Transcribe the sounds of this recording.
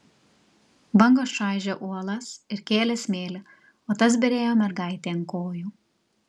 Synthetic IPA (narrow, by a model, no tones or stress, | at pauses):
bɐŋɡoːsʃɑˑɪʒʲɛʔuɔlˠɐsɪɾkʲeːlʲɛsmʲeːlʲɪ | oːt̪ɐs̬bʲɛɾʲeːjoːmʲɛɾɡɐˑɪt̪ʲeːnkoːjuː